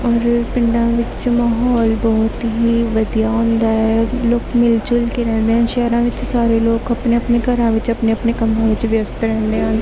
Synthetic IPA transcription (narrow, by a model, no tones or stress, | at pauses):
ɔːɾpɪɳɖãːʋɪt͡ʃmaːɦɔːlbɔːt̪ɦiːʋəd̪ijaːɦõːnd̪aːɦɛːloːkmɪlt͡ʃʊlkeːɾɛ̃ːnd̪eːɦãːʃɛːɾãːʋɪt͡ʃsaːɾeːloːkəpneəpneːkəɾãːʋɪt͡ʃəpneːəpneːkəmɾãːʋɪt͡ʃʋjəst̪ɾɛ̃ːnd̪eːɦãːn